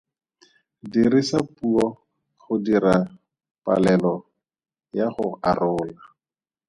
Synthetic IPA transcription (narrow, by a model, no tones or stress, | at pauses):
dirisapuɔ | χʊdiɾa | pʼa̰lɛlɔ | jaχʊarʊːla